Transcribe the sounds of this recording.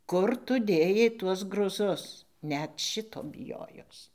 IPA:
ˈkʊr tʊ ˈdʲeːjɛɪ ˈtuɔs ɡrʊˈzʊs ˈnʲɛt ˈʃʲɪtoː bʲɪˈjoːjoːs

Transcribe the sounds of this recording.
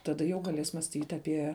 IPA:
tɐˈdɐ jɛʊ ɡɐˈlʲeːs mɑːsʲˈtʲiːt ɐˈpʲiɛ

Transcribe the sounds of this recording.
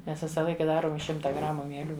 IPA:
ˈmʲɛs ˈʋʲɪsɐ ˈlˠɐɪkɐ ˈdɑːroːm ɪʃ ˈʃʲɪmtɐ ˈɡrɑːmʊ mʲiɛˈlʲuː

